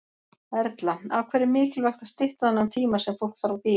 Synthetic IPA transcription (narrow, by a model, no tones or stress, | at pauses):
ɛɾt̪laawkʰvɛːɾɪɾmɪːcɪlvɛxt̪ast̪ɪht̪aðanːant̪ʰiːmasɛmfowlkθaɾawpiː